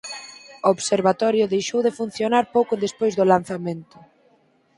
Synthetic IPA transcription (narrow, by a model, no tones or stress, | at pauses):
ooβseɾβat̪ɔɾjʊðejʃowðefun̟θjonaɾpowkʊðespojzðʊlan̟θamẽnt̪ʊ̥